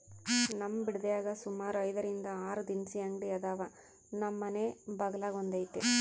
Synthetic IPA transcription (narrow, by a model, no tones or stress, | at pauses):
nɐmːɐbiɽid̪ejaːɡɐsumaːɾuɐjd̪ɐɾind̪ɐaːɾud̪insiɐŋɡɽiɐd̪aːʋɐ | nɐmːɐneːbɐɡɐlaːɡond̪ɐjit̪ːe